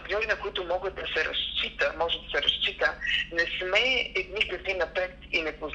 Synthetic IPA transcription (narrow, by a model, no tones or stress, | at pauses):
kiɔɾinɐkoit̪ʊmɔɡət̪̚d̪ɐsɛɾɐ̰st͡ʃit̪əmɔʒɛd̪ɐsɛɾɐ̰st͡ʃit̪ənɛsmɛɛd̪nikɐzinɐpɛt̪inɛpoz